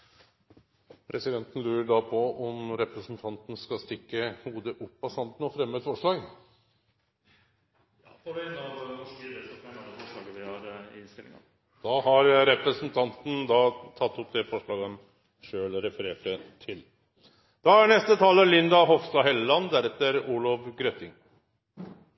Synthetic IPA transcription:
pʰɾʔɛsɪd̪ɛnt̪ən̩lʉːɾəɖɑpʰɔɔmɾɛpɾəsnt̪ʰɑnt̪n̩skɑst̪ɪkːəhuːd̪əʔʊpːɑsɑnd̪n̩ɔfɾɛmːəɛt̪fɔʂɭɑːɡ | nɑʋɛsɔænfɔʂɭɑːɡəʋ̪ɪhɑɾɪnst̪ɪlɪ̰ŋ̰ | d̪̥ɑːhɑɾɾɛpɾəsnt̪ʰɑnt̪n̩d̪ɑt̪ʰɑt̪ːɔpd̪ɛfɔʂɭɑːɡɔm | ʂøːlɾɛfəɾeːʈət̪ʰɪl | d̪̥ɑæɳɛst̪ət̪ʰɑːləlɪnd̪ɑɦɔfst̪ɑɦɛlːəlɑnd̪æɾɛt̪ːəɾuːɭɔʋɡɾœt̪ɪŋ

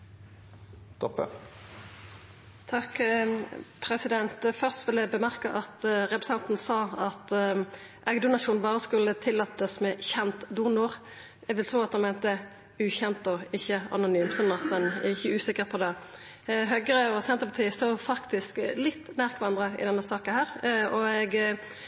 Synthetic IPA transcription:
t̪ɔpːə̰ | t̪ʰɑk | pʰɾɛsɪd̪ɛnt̪fœʁst̪ʋɪld̪ɛbəmæʁkəʔɑt̪ʁɛpɾɛ̥sɛnt̪n̩sɑːɑt̪ | ʔɛɡd̪ʊnɑʃuːnnbɑːʁəskʉlːət̪ʰɪlːɑt̪ːəsmɛçɛnt̪d̪unʊːʁ | ɛɡʋɪlt̪ʰɾuːɑt̪d̪ɛnmɛːnt̪əə | ʉːçɛnt̪ɔɪçːəɑ̰nʊnyːmsɔnɑt̪̚d̪ɛnæ̰ɪçːəʉːsɪkːəʁpʰɔd̪ɛ | ɦœɡʁəɔsɛnt̪əpɑt̪ʰiːəst̪uːfɑkt̪ɪsklɪt̪ːnæːʁk̪ʰʋɑnd̪ʁəɪ̰d̪ɛnːəsɑːkənhæːʁɔɛɡ

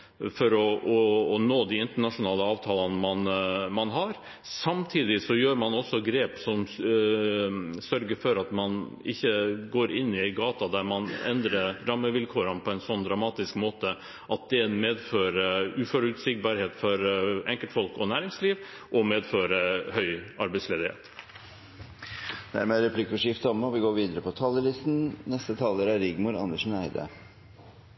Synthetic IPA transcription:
fɔɾɔʔɔːnoːd̪ɪɪnt̪əɳɑʂʊnɑːləɑːʋt̪ʰɑːlɑnmɑnmɑnɦɑɾ | sɑmt̪ʰiːd̪ɪsɔjøːɾmɑnɔsːɔɡɾeːpsɔm | sœɾɡəɾfɔɾɑt̪mɑnɪ̰çːəɡoːɾɪnːɪɡɑːt̪ɑd̪æɾmɑnɛ̰nd̪ɾəɾɑmːəʋɪlkʰuːɾənpʰɔɛɪnsɔnːd̪ɾɑmɑːt̪ɪskmoːt̪ə | ʔɑt̪̚d̪ɛnmeːd̪føːɾəʉːfɔɾʉt̪sɪk̚bɑːɾheːt̪fɔɾɛŋkəlt̪fɔlkɔnæːɾɪŋsliːʋ | ʔɔmeːd̪føːɾəhœʏɑɾbæɪsleːd̪ɪhḛːt̪ | d̪̥æ̰ɾmeːɾɛpʰlɪkːɔʂɪft̪əɔmɔʋɪɡoːɾʋiːd̪əɾəpɔt̪ʰɑːləlɪst̪n̩nɛst̪ət̪ʰɑːləɾæɾɪɡmʊɾɑ̰nəʂn̩æ̰ɪd̪ə̰

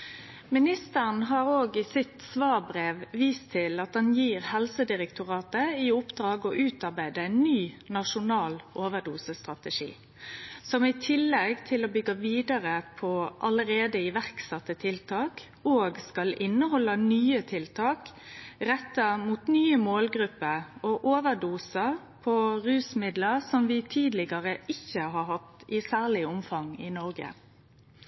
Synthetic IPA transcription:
mɪnɪst̪əʁn̩ɦɑːɾoːɡɪsɪt̪sʋɑːʁbʁeːʋʋiːst̪ʰɪlɑt̪̚d̪ɑnjiːʁhɛlsəd̪ɪɾɛkt̪ʰʊʁɑːt̪əɪʊpd̪ɾɑːɡɔʔʉːt̪ɑɾbæɪd̪əɛɪnːyː | nɑʂʊnɑːlʔoːʋəd̪uːsəst̪ʁɑt̪əʂḭː | sɔmɪt̪ʰɪlːɛɡt̪ʰɪlobʏɡːɑʋiːd̪ɑɾəpʰɔʔɑləɾeːd̪əɪʋæʁksɑt̪ːət̪ʰɪlt̪ʰɑːk | oːɡskɑlʔɪnːəhɔlːɑnyːət̪ʰɪlt̪ʰɑːkʁɛt̪ːəmuːt̪nyːəmoːlɡɾʉpːəɾoʔoːʋəd̪uːsəʁ | pʰɔʁʉːsmɪd̪ləʁsɔmʋɪt̪ʰiːd̪lɪɡɑʁəʔɪçːəɦɑːɦɑt̪ːɪsæːʁlɪəʊmfɑŋɪnɔɾɡə̰

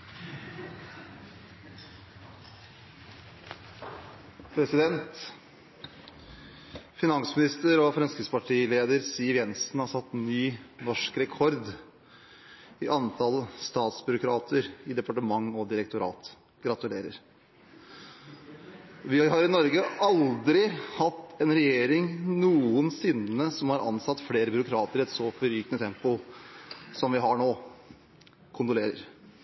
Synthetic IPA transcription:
pʰɾɛsɪd̪ɛnt̪ | fɪnɑŋsmɪnɪst̪əɾɔfɾɛnskəspɑʈʰiːleːd̪əɾsiːʋjɛnsnhɑɾsɑt̪ːnyːnɔʂkɾɛkʰɔɾd̪ | ɪʔɑnt̪ʰɑləst̪ɑːt̪sbʉɾʊkʰɾɑːt̪ʰəɾɪd̪ɛpɑʈəmɑŋːɔd̪ɪɾɛk̚t̪ʊɾɑ̰ːt̪ | ɡ̥ɾɑt̪ʉleːɾə̰ɾ | ʋɪɦɑɾɪnɔɾɡəɑld̪ɾɪhɑt̪ːɛnɾɛjeːɾɪŋnuːənsɪnəsɔmhɑɾʔɑ̰nsɑt̪ːfleːɾəbʏɾʊkʰɾɑːt̪əɾɛt̪sɔfɔɾyːknət̪ʰɛmpʊ | sɔmʋɪɦɑɳoː | kʰʊnt̪ʊleːɾə̰ɾ

